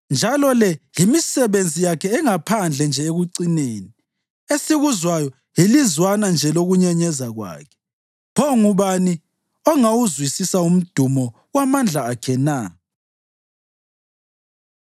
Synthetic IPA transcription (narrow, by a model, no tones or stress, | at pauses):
nd͡ʒʱalɔlɛjimisɛβend͡zʱijakʰɛːŋapʰand͡ɮʱɛnd͡ʒʱɛeɣuǀineːni | esiɣuzwajɔ | jilizwanand͡ʒʱɛloɣuɲɛɲɛzaɣwa̰ːkʰɛ̥ | pʰɔŋuβani | ɔŋawuzwisisaum̩d̥ʱumɔ | wamand͡ɮʱaːkʰɛna